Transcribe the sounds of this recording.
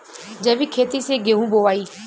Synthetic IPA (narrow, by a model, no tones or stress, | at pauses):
d͡ʑɐʋɪkʰeːt̪iseɡeɦũboːʋaːiː